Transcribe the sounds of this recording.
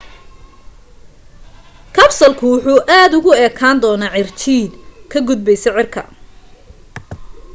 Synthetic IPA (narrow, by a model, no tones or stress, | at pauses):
kʰɐbsɐlkʰʊwʊħuːʔaːd̪ʊɣʊɛːkʰaːnd̪ɔːnaːʕɪrt͡ʃ̪ʰiːd̪̚kʰɐɡʊd̪̚bɛjsɛjʕɪrkʰɐ̰